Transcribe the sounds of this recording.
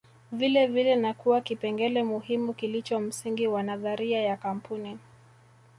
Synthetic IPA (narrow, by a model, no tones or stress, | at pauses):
vilɛvilɛnakuwakipɛŋɡɛlɛmuhimukilit͡ʃɔm̩siŋɡiwanaðaɾiajakam̩puni